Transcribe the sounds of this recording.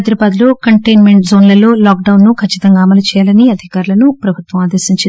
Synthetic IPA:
d̪ɾɐbaːd̪loːkɐɳʈejnmeɳʈzo̞ːnlɐlo̞ːlaːkɖɐwnːukʰɐt͡ʃːi̥t̪ɐŋɡaːmɐlɐt͡ʃɛːjaːlɐniɐd̪ʱikaːɾulɐnupɾɐbʱut̪ʋɐmaːd̪eɾsiɲt͡ʃ

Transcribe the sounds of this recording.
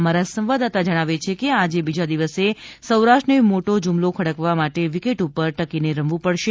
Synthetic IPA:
maɾasə̃mʋad̪at̪ad͡ʒəɽ̃aʋet͡ʃʰekead͡ʒebid͡ʒad̪iʋəsesəwɾaʃʈənemoʈod͡ʒumlokʰəɽəkʋamaʈeʋikeʈupəɾʈəkineɾəmʋũpəɽʃe

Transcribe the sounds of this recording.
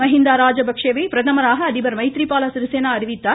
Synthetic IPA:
mɐɦind̪aːɾaːd͡ʒɐbʱɐkʂeːʋeːpɾɐt̪ʰɐmɐɾaːɦɐːd̪ibɐɾmɐjt̪ɾiːpaːlɐsɾiseːnaːɐɾiʋit̪ːɐ

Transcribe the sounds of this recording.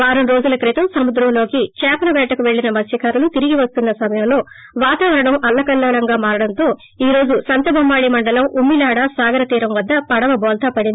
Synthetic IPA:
ʋaːɾunɾo̞ːd͡ʒulɐkɾit̪ɐmsɐmud̪ɾɐmlo̞ːkit͡ʃɛːpɐnɐʋɛːʈɐkuʋe̞ɭːinɐmɐsjɐkaɾulut̪iɾiɡiʋɐst̪unːɐsɐmɐjɐmlo̞ː | ʋaːt̪aːʋɐɾɐɳɐmɐlːɐkɐlːɐʋɐlɐŋɡaːmaːɾɐɽɐnt̪o̞ː | iːɾo̞ːd͡ʒusɐnt̪ɐbʱɐmːaːɭimɐɳɖɐlɐmumːilaːɽasaːɡɐɾɐt̪iːɾɐmʋɐd̪ːɐpɐɽɐʋɐbɔːlt̪ɐpɐɽindi

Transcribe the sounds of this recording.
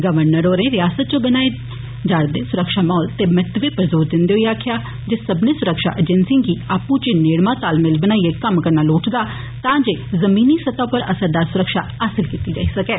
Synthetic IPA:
ɡəʋəɾnəɾoːɾẽːɾɪjaːsət̪̚t͡ʃõbənaːeː | d͡ʒaːɽd̪eːsʊɾəkʃaːmɔːlt̪eːmɛːt̪ʋeːpəɾzoːɾd̪ɪnd̪eːɦoiaːkʰɪjaː | d͡ʒesəbneːsʊɾəkʃa̰ːʔed͡ʒɛ̃nsĩɡiːaːpũːt͡ʃeneːɽmãːt̪aːlmɪlbənaːieːkəmkəɾnaːloːʈʰd̪aː | t̪ãːd͡ʒeːzəmiːniːsət̪ãːpəɾəsəɾd̪aːɾsʊɾəkʃa̰ːaːsɪlkiːt̪iːd͡ʒa̰ːiːsəkɛː

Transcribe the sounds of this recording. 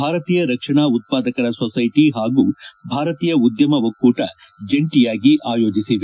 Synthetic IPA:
bʱaːɾɐt̪iːjɐɾɐkʂɐɳaːut̪̚paːd̪ɐkɐɾɐsosɐjʈiɦaːɡuːbʱaːɾɐt̪iːjɐud̪jɐmɐʋɐkːuːʈɐ | d͡ʒeɳʈijaːɡiʔaːjo̞ːd͡ʒisiʋe

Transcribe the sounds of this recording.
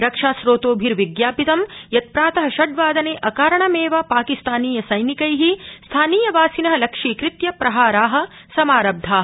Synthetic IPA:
ɾɐkʂaːsɾoːt̪oːbʱiɾʋiɡjaːpit̪ɐmjɐt̪̚pɾaːt̪ɐɦɐʃɐɖʋaːd̪ɐneːʔɐkaːɾɐɳɐmeːʋapaːkist̪aːniːjɐsɐjnikɐjɦist̪ʰaːniːjɐʋaːsinɐɦɐlɐkʂiːkɾit̪jɐpɾɐɦaːɾaːɦɐ̆ | sɐmaːɾɐb̚d̪ʱaːɦɐ

